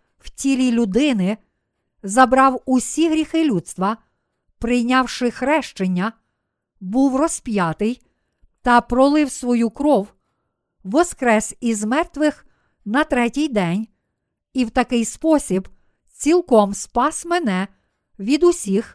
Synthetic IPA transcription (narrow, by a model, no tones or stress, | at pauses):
w̥tʲilʲilʲʊd̪ɪnɪ | zɐbɾɑwʊsʲiɦɾʲixɪlʲut̪st̪ʋɐ | pɾɪjnʲɑwʃɪxɾɛʃt͡ʃenʲːɐ | buwrɔspʲjɑt̪ɪj | t̪ɐpɾɔlˠɪwsʋɔjukɾɔw | ʋɔskɾɛsizmɛrt̪ʋɪx | nɐt̪ɾɛtʲijd̪ɛnʲ | iwt̪ɐkɪjspɔsʲib | t͡sʲilˠkɔmspɑsmɛnɛ | ʋʲid̪ʊsʲix